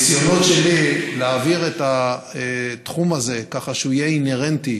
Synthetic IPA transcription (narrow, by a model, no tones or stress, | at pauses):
sjo̞no̞tʃelileaviʁeta | t̪χumaze̞kaχaʃuijeine̞ʁent̪i